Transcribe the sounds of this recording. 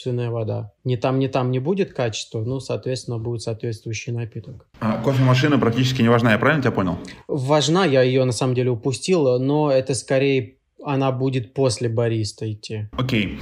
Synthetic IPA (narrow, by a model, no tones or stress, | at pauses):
t̪vʲɪnːəjəvɐd̪a̰nʲɪt̪amnʲɪt̪amnʲɪbudʲɪt̪kat͡ɕɪ̥st̪vənusɐːt̪vʲet̪sʲɪnːəbudʲɪt̪sɐːt̪vʲet̪st̪vʊjʉɕːɪjnɐpʲit̪ək | akofʲɪmɐʂɨnɨpɾɐk̚tʲit͡ɕɪskʲɪnʲɪvɐʐnajapɾavʲɪlnətʲbʲaponʲɪlˠvɐʐnajajɪjonɐsaməmdʲelʲɪʊpʊsʲtʲilˠnoɛt̪əskɐɾʲejə | ɐnabudʲɪt̪̚po̞sʲlʲɪbɐɾʲist̪əɪtʲːiokʲej